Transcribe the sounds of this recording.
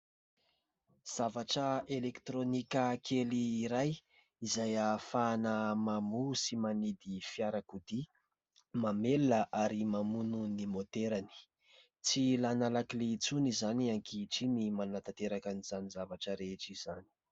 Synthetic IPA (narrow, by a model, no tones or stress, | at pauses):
z̥avaʈ͡ʂəelekt̪ɾonikʲəkʰeliːɾaj | izajafanəmamusimanid̪ifiaɾakud̪i | mamelːaʔaɾimamununimot̪eɾani̥ | t͡silanalakilet͡sunizaniaŋkiʈ͡ʂinimanat̪at̪eɾakanizanizavaʈ͡ʂəɾeʈ͡ʂiz̥ani̥